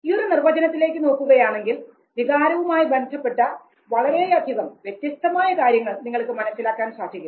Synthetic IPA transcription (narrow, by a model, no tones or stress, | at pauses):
io̞ɾunirʋɐd͡ʑɐnɐt̪ːile̞ːkːɨno̞ːkːuɣɐjaːɳe̞ŋɡil | d̪ʱiɣaːɾɐʋumaːjibe̞nd̪ʱɐpːe̞ʈːɐ | ʋɐɭɐɾeɐd̪ʱjɐðɐmʋje̞t̪jɐst̪ɐmaːjɐkaːɾjɐŋːɐɭniŋːɐɭkɨmɐnɐsːilaːkːaːnsaːd̪ʱikʲːu